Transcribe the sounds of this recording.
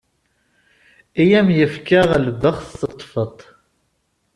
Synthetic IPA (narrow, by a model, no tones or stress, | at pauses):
ijæmjəfkəʁəlbəχθsət̪ˤːfət̪ˤ